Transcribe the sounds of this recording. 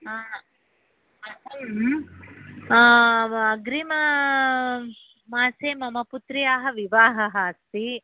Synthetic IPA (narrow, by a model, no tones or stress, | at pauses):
ɦaː | ɦ | ɐɡɾimɐ | maːseːmɐmɐput̪ɾijaːɦɐʋiʋaːɦɐɦɐst̪i